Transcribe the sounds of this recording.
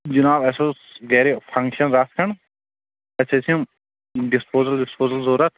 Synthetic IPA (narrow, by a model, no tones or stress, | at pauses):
d͡ʒinaːbɐsoːsɡɛɾipʰɐ̃ŋkʃɐnɾaskʰɐɳ | ɐsesɐm | ɖispoːzɐlɖɪspoːzɐlzoːɾɐt̪̚ʰ